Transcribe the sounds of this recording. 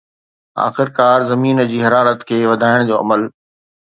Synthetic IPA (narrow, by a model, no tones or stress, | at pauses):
a̰ːxɪɾkaːɾzɐmiːnəd͡ʑiːɦɐɾaːɾət̪kʰeːʋɐd̪ʱaːɪɽ̃d͡ʑoːɐ̰məl